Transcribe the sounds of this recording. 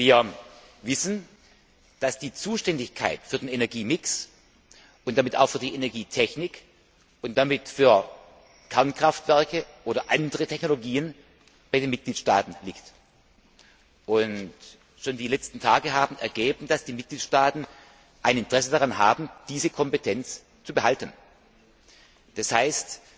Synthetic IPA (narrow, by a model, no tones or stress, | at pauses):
viːɐvɪsn̩ | d̥asd̥iːt͡suːʃtɛndɪçkʰa̰ɪtfyːɐdeːnenɛɐɡiːmɪks | ʔʊntd̥amɪta̰ʊxfyːɐdiːʔenɛɐɡiːtʰɛçnɪk | ʊnt̚d̥amɪtfyːɐ | kʰɛɐnkʁ̥aftv̥ɛɐkəʔoːɾɐʔandəʁətʰɛçnoloɡiːən | b̥aɪdeːnmɪt̚ɡ̥liːtʃta̰ːtn̩lɪkt | ʔʊnt | ʃoːndiːlɛt͡stn̩tʰaːɡəɦaːbm̩ɛɐɡeːbm̩d̥asd̥iːmɪt̚ɡ̥liːtʃtaːtn̩ | ʔaɪnɪntəʁ̥ɛsədaʁanɦaːbm̩d̥iːzəkʰɔmpetʰɛnt͡s | t͡subəhaltən | d̥ashaɪst